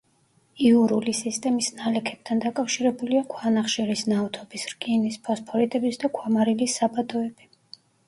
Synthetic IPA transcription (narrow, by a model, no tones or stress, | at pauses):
iuɾulisist̪ʼɛmisnalɛkʰɛb̥̚t̪ʰand̪akʼafʃiɾɛbuliakʰwanaχʃɛɾisnaɔt̪ʰɔbisɾɡʼinispʰɔspʰɔɾit̪ʼɛbisd̪akʰwamaɾilisːabad̪ɔɛb̥i